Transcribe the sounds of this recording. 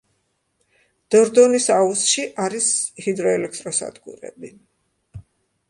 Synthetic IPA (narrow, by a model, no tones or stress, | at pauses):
d̪̥ɔɾd̪ɔnisausʃiʔaɾishid̪ɾɔɛlɛk̚ʰt̪ʼɾɔsa̰d̪ɡṵɾɛ̰bi